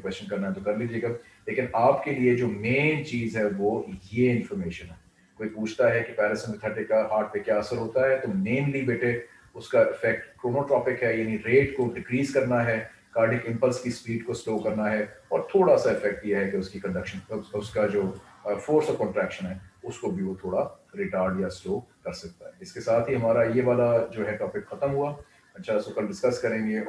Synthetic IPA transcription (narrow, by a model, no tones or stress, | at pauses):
kwɛst͡ʃə̃nkɐɾnaɦɛt̪okɐɾliːd͡ʒieːɡa | leːkɪnaːpkelied͡ʒoːmẽːnt͡ʃiːzɦɛʋojeɪ̃nfɔɾmeːʃə̃nɦɛː | koːipuːt͡ʃʰt̪aɦɛkepɛːɾɪsə̃nɪt̪ʰəʈɪkaɦaːɾʈ̚pekjaɐsəɾɦoːt̪aɦɛt̪omẽːnlibeːʈʰe | ʊskaɪfɛk̚ʈkɾoːnoʈɾɔːpɪkɦɛjaːniɾeːʈkoɖɪɡɾiːzkɐɾnaɦɛː | kaːɾɖɪkɪ̃mpəlskispiːɖkosloːkɐɾnaɦɛɔːɾt̪ʰoːɽasaɪfɛk̚ʈjeɦɛkeʊskikɐ̃ɳɖɐkʃə̃nʊskad͡ʒoːfoːɾsɔːʋkɔ̃ːɳʈɾɛːkʃə̃nɦɛːʊskobʱiʋot̪ʰoːɽaɾɪʈaːɾɖjasloːkɐɾsɐk̚t̪aɦɛɪskesaːt̪ʰɦiɦɐmaːɾajeʋaːlad͡ʒoːɦɛʈɔːpɪkxɐt̪əmɦua | ɐʃʰasokɐlɖɪskɐskɐɾẽːŋɡe